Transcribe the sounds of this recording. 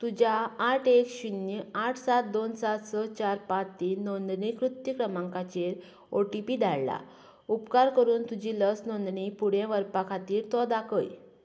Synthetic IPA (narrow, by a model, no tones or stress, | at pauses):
t̪ud͡ʑaːʈʰekɕunjəaʈʰsat̪̚d̪onsat̪sət͡ɕaɾpãt͡st̪iːnːɔnd̪ɳikɾut̪jəkɾəmãŋkat͡ɕeɾ | oʈipiːd̪ʱaɭla̰ | upkaɾkəɾuːnt̪ud͡ʑiləsnɔnd̪ɳipuɽjẽʋəɾpakʰat̪iːɾt̪ɔd̪akəj